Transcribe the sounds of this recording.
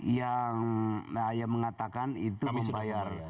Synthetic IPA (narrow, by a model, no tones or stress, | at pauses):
jaŋajaməŋat̪akanit̪uməmbajar